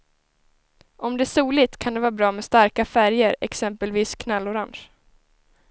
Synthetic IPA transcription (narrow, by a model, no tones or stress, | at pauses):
ɔmd̪ɛæʂuːlɪt̪kʰand̪ɛvɑːbɾɑːmɛst̪aɾkafæɾjəɾɛ̰ksɛmpəlviːskʰnalːɔɾanɕ